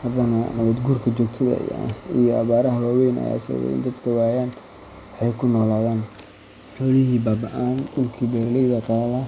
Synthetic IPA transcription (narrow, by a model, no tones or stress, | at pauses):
hɐd̪ɐnɐnɐβɛd̪ɡuːrkʰɐt͡ʃɔːɡ̚t̪ʰɐðɐ̰ja̰ijɔɐβaːɾɐɦɐwaːwɛjnɐ̰ja̰ːsɐ̰wɛ̰ɪ̰nd̪ɐd̪kʰɐwaːjaːn | ħɛjkʰʊnɔːlaːðaːn | ħɔlɪɦiːbaːbɐʔaːnʊlkʰiːbɛːrlɛjðɐkʰɐlɐlɐ